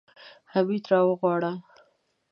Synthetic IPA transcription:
hawit̪ɾɑwəɣwɑɽa

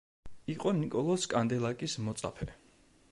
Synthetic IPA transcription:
iqʼɔnikʼɔlˠɔskʼand̪ɛlˠakʼismɔt̪sʼa̰pʰɛ

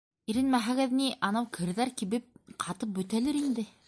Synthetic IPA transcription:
iɾɘnmæɦæɡɘðniʔɑnɑwkʰɘ̆ɾðæɾkiβɘp̚qʰɑt̪ɤp̚bɵ̆t̪ælɘɾind̪ɘ

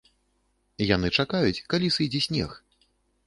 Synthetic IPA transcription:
jan̪ɨt͡ʂakajut͡sʲkalʲisɨd͡zʲisʲnʲɛ̰x

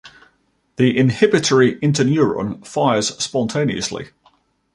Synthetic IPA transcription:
ðiʔɪ̃nhɪbɪtʰəɹiʔɪ̃ntʰənjɔːɹə̰̃nfaɪəz̥spɒ̃ntʰeɪ̃nḭə̰slḭ

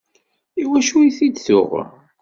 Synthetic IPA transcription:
iwæʃujθid̪θʊ̰ʁ

